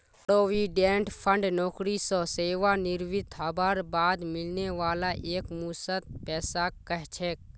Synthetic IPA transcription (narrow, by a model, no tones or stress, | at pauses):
pɾoːʋiːɖẽːɳʈpʰəɳɖnɔːkɾisɔseːʋanɪɾʋɪt̪ʰabaːɾbaːd̪mɪlneʋaːlaʔeːkmuːsət̪̚pɛːsakəɦt͡ʃʰeːk